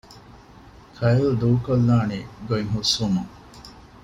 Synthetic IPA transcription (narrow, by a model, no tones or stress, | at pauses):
kʰɐjɐld̪uːkolːaːneɡoiŋɦusumuŋ